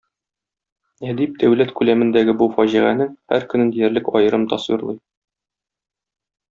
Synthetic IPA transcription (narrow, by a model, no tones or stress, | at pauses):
æd̪ip̚d̪æwlæt̪kʉlæmɘ̆nd̪æɡɘbufɒʑiʁænɘhæɾkɵ̆nɘnd̪ijæɾlɘkɒ̰jɤ̆ɾɤmt̪ɒswḭɾlˠɤ̰j